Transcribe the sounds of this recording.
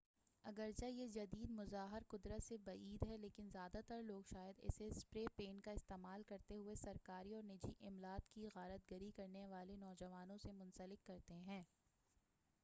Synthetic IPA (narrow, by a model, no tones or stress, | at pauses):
ɐɡəɾd͡ʒajed͡ʒɐd̪iːd̪mʊzaːɦɪɾqʊd̪ɾət̪sebɐiːd̪ɦɛleːkɪnzjaːd̪at̪əɾloːɡʃaːjəd̪ɛ̰ːsespɾeːpeːnkaɪst̪eːmaːlkɐɾt̪eɦʊesɐɾkaːɾiɔːɾnɪd͡ʒiʔɪmlaːt̪kiɣaːɾət̪̚ɡəɾikɐɾneʋaːlenɔːd͡ʒɐʋaːnõsemʊ̃nsəlɪkːɐɾt̪eɦɛ̃ː